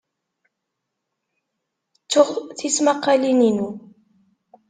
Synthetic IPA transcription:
t͡sːʊʁθismaqːalininu

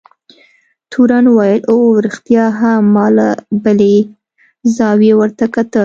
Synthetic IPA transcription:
t̪ʰuɾanwajəlʔoɾɪxt̪jɑɦamɑlabəle | zɑwjewəɾt̪akat̪əl

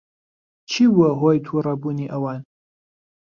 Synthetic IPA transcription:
t͡ʃʰiːwɐɦoːjt̪ʰurɐbuːniːʔɐwɑːn

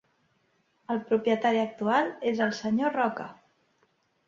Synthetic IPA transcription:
əlˠpɾupjət̪aɾiək̚t̪ualˠezəlˠsəɲorɔkə

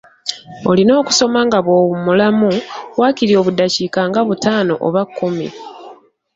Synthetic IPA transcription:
o̞lino̞ːku̥so̞maːŋɡaβoːβumulamuβwakiɾio̞ːβudaciːkaːŋɡaβutaːno̞̰ʔo̰βakːumḭ

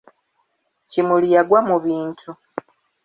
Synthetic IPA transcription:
cimulijaɡwamuβiːntʰu

